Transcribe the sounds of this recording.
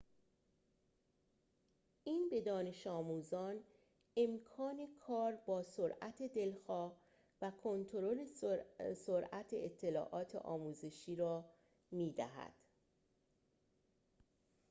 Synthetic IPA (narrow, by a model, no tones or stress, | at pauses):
ʔiːnbe̞d̪ɒːne̞ʃɒːmuːzɒːn | e̞mkʰɒːne̞kʰɒːɾbɒːsoɾæt̪ʰe̞d̪e̞lxɒːh | vækʰo̞nt̪ʰoɾo̞le̞soɾʔæt̪ʰeet̪ʰːe̞lɒ̰ːʔɒːt̪ʰḛʔɒ̰ːmuːze̞ʃiːɾɒː | miːd̪æ̰ɦæ̰d̪̥